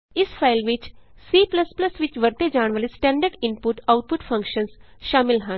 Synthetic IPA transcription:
ɪsfʰaːɪlʋɪt͡ʃ | siːplɐsplɐsʋɪt͡ʃʋɐɾt̪ed͡ʒaːɳʋəlɪsʈɛ̃ːɳɖəɾɖɪ̃npʊʈaʊʈ̚pʊʈfʰɐ̃ŋkʃə̃nsʃaːmɪlɦə̃n

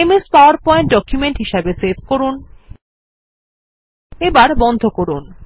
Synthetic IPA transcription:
emespaoaɾpɔeɳʈ̚ɖɔkjumeɳʈɦiʃabesebʱkoɾun | ebaɾbɔnd̪ʱokoɾun

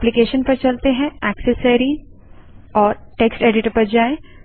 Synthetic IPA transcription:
plikeːʃənpɐɾt͡ʃɐlt̪eɦɛ̃ɛːksəseɾi | ɔːɾʈeːksʈeːɖɪʈəpɐɾd͡ʒaːe

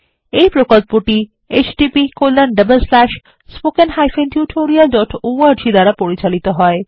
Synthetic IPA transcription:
ejpɾokolpoʈi | et͡ɕɖipikolːanɖəbelslɛʃ | spokenɦajfent̪juʈʰoɾialɖɔʈoaɾd͡ʑid̪aɾapoɾit͡ɕalit̪oɦɔe

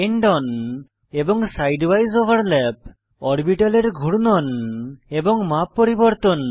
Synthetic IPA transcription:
eɳɖɔn | eboŋsajɖbajzobʱaɾlɛp̚ | ɔɾbiʈaleɾɡʱuɽnɔneboŋmapːoɾibɔɾt̪on

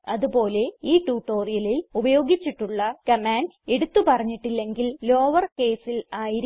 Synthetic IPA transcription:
ɐðupo̞ːle̞iːʈuːʈːo̞ːrijɐlilubɐjo̞ːɡit͡ɕːiʈːuɭːɐkɐmaːneɽut̪ːupɐrɐɲːiʈːilːe̞ŋɡillo̞ːʋɐrke̞ːsilaːjiɾ

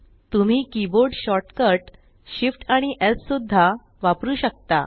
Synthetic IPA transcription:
t̪um̤iːkiboɾɖɕɔʈkəɾʈ | ɕifʈaɽ̃iʔessud̪ʱːa | ʋapɾuːɕək̚t̪a̰

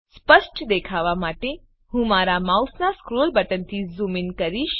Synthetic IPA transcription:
spəʃʈd̪ekʰaʋamaʈe | hũmaɾamausnaskɾolbəʈənt̪ʰizuminkəɾiʃ

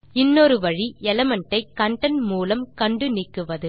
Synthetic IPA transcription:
ɪnːɔɾɯʋɐɻiɛlɐmɐɳʈːɐɪkːɐɳɖɐnmuːlɐmkɐɳɖɯnɪkːɯʋɐðɯ

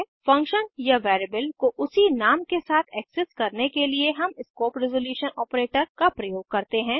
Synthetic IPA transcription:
fɐ̃ŋkʃənjaʋɛːɾəbəlkoʔʊsinaːmkesaːt̪ʰɛːksɪskɐɾnekelieɦɐmɪskoːpɾɪzoljuːʃənɔːpɾeːʈəɾkapɾɐjoːɡ̚kɐɾt̪eɦɛ̃ː

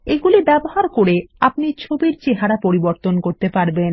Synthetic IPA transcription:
eɡulibɛboɦaɾkoɾeapnit͡ɕʰobiɾt͡ɕeɦaɾapoɾiboɾt̪onkoɾt̪epaɾben

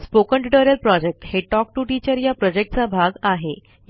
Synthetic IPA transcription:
spokəɳʈiʈəɾəlpɾɔd͡ʑek̚ʈheʈɔk̚ʈuːʈit͡ɕəɾjapɾɔd͡ʑek̚ʈ̚t͡sabʱaɡaɦe

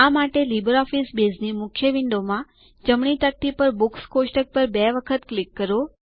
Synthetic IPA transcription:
amaʈelibəɾɔfisbeznimʊkʰjəʋɪɳɖomã | d͡ʒəmɳit̪ək̚t̪ipəɾbukskosʈək̚pəɾbɛʋəkʰət̪klikːəɾo

